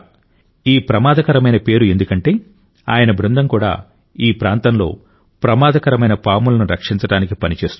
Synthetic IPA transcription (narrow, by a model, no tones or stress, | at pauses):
iːpɾɐmaːd̪ɐkɐɾɐmɐjnɐpe̞ːɾue̞nd̪ukɐɳʈe̞ː | a̰ːjɐnɐbɾund̪ɐmkuːɽa̰ː | iːpɾaːnt̪ɐnlo̞̰ː | pɾɐmaːd̪ɐkɐɾɐmɐjnɐpaːmulɐnuɾɐkʂint͡ʃɐɽaːnikipɐnit͡ʃe̞ːst̪